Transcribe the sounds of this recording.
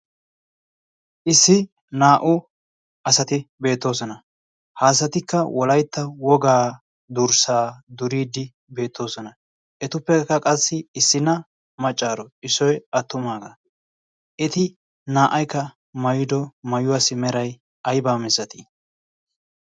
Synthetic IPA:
ʔɪsːɪ | naːʔʊ | ʔɐsɐt̪ɪbe̞ːt̪ːo̞ːsɔnɐ | haːsɐt̪ɪkːɐwɔlɐjt̪ːɐwɔɡaː | d̪ʊɾsaːd̪ʊɾiːd̪ɪ | be̞ːt̪ʰːo̞ːsɔnɐ | ʔɛt̪ʊpːɛkːɐkʼɐsːɪɪsːɪnɐ | mɐt͡ʃʼːaːɾɔɪsɔjɐt̪ːʊmaːɡɐ | ʔɛt̪ɪ | naːʔɐjkːɐ | mɐjɪd̪ɔmɐjʊwaːsɪmɛɾɐj | ɐjbaːmɪzɐt̪ɪ

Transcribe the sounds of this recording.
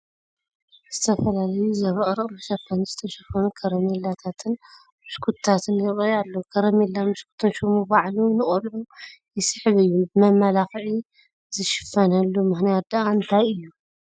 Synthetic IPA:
z̥ɨt̪ʰɐfɐlalɐjuzɐβɐχʼɾɨχʼmɨʃɐfɐnizɨt̪ʰɐʃɐfɐnukʰɐɾɐmelat̪ʰat̪ʰɨn | mɨʃkʰut̪t̪ʰat̪ʰɨnjɪɐjalːokʰɐɾɐmelːamɨʃkʰu̥t̪ʰɨnʃomubaʕlunɨχʼɐlʕu | jɪsɨħβɨjːubɨmɐmːɐlaxʕi | zɨʃɪ̥fɐnɐlːumɨxnijat̪̚d̪aaɨnt̪ʰajɨjːu

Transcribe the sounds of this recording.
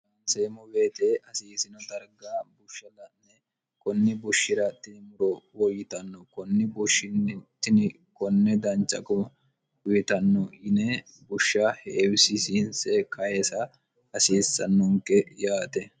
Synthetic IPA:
ɐnseːmɔbeːt̪eʔɐsiːsɪnɔd̪ɐɾɡaːbʊʃːɐlɐnɛ | kɔnːɪbʊʃːɪɾɐt̪ːɪnɪmʊɾɔwɔjɪt̪ɐnːɔkɔnːɪbʊʃːɪnt̪ːɪnɪ | kɔnːɛd̪ɐnt͡ʃʼːɐ̰kɔ | ʊjɪt̪ɐnːɔʔɪnɛ | bʊʃːɐhɛʔwɪsɪsinsɛkʰɐjɛsɐ | ɐsiːsːɐ̰nːɔŋkɛjaːt̪ɛ

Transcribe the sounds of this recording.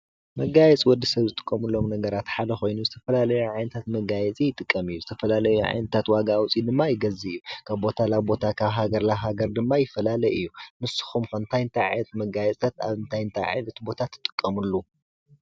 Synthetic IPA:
mɐɡajɛt͡sʼwɔd̪ːisɐβzɨt̪ʼɨ̥kʼːɐmulːo̞mnɐɡɐɾat̪ħad̪ɐxo̞jnuzɨt̪ʰɐfɐlalɐjuʕajnɐt̪ʰat̪mɐɡajɛt͡sʼijɪt̪ʼɨkʼːɐmɨjːuzɨt̪ʰɐfɐlalɐjuʕa̰jnɐt̪ʰat̪waɡawt͡sʼid̪ɨmːajɪɡɐziɨjːukʰaβbo̞t̪ʰalaβbo̞t̪ʰakʰaβɦaɡɐɾlaɦaɡɐɾd̪ɨmːajɪfːɐlalɐjɨjːumɨsɨ̥xumkʰɐnt̪ʰajnt̪ʰaʕa̰jnɐt̪mɐɡajɛt͡sʼʰat̪a̰βɨnt̪ʰajɨnt̪ʰaʕa̰jnɐt̪bo̞t̪ʰat̪ʰːɨ̥t̪ʼɨkʼːɐmɨlːu

